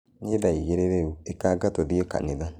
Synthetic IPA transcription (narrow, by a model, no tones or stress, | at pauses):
neðaiɣeɾeɾeuekaːɡatoðiɔka̰neða